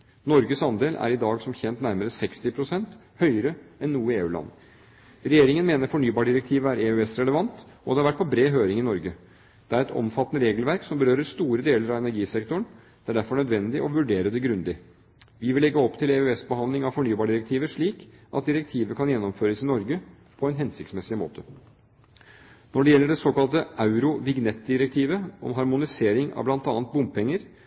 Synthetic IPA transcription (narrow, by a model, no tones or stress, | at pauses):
nɔɾɡəsɑnd̪eːlæ̰ɾɪd̪ɑːɡsɔmçɛnt̪næɾməɾəsɛkst̪ɪpʰɾʊsɛnt̪ | hœʏəɾəɛnːuːəeːʉːlɑ̰nː | ɾɛjeːɾɪŋənmeːnəɾfɔɳyːbɑːɖɪɾɛk̚t̪ʰiːʋəæɾeʉɛsɾɛləʋɑnt̪ | ɔd̪ɛhɑɾʋæʈ̚ːpʰɔbɾeːɦøːɾɪŋɪnɔɾɡə | d̪̥ɛæɾɛt̪ɔ̰mfɑt̪ːənəɾeːɡlʋæɾksɔmbəɾøːɾəst̪uːɾəd̪eːləɾɑʋɛnæɾɡiːsɛkt̪ʊɳ | d̪̥ɛæɖæɾfɔɳœd̪ʋɛnd̪ɪʔɔʋʉɖeːɾəd̪ɛɡɾʉnd̪ɪ | ʋɪʋɪlɛɡːəɔpt̪ʰɪlɛøɛsbəhɑnd̪lɪŋɑʋfɔɳyːbɑːɖɪɾɛkt̪ʰiːʋəʂɭiːkʔɑ̰t̪̚d̪ɪɾɛk̚t̪ʰiːʋəkʰɑnjɛnːɔmføːɾəsɪnɔɾɡə | pʰɔæɪnɦɛnsɪkt̪smɛsɪmo̰ːt̪ʰə | nɔɖɛjɛlːəɖɛsoːkɑlt̪əɑʉɾʊʋɪɡnɛt̪̚d̪ɪɾɛk̚t̪ʰiːʋəʔɔ̰mɦɑɾmʊnɪseːɾɪŋɑ̰ʋblɑnt̪ɑːnt̪̚bʊmppʰɛŋːəɾ